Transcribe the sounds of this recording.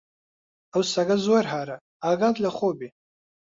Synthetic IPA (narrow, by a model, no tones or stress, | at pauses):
awsaɡazwarħaɾa | aɡad̪laχʷobi